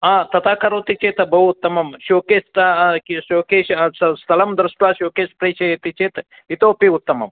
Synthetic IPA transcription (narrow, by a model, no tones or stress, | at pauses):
at̪ɐt̪aːkʰɐɾoːt̪it͡ʃet̪ɐbɐut̪ːɐmɐmʃoːkeːst̪aʃoːkeːʃsɐsɐlɐmd̪ɾɐsʈuaːʃoːkeːspɾet͡ʃʰɐjet̪it͡ʃeːt̪ | it̪oːpiut̪ːɐmɐ̰m